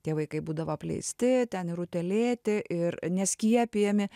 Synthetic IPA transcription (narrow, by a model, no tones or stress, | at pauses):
t̪ʲiɛʋɐɪkɐɪbuːd̪ɐʋopʲlʲɛ̰ɪsʲt̪ʲɪt̪ʲɛnɪɾʊt̪ʲɛlʲeːt̪ʲɪʔɪrnʲɛsʲkʲiɛpʲijɛmʲɪ